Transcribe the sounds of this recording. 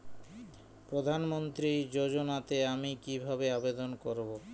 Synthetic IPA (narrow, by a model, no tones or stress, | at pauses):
pɾod̪ʱanmont̪ɾid͡ʑod͡ʑonat̪eamikibʱabeabed̪onkoɾbo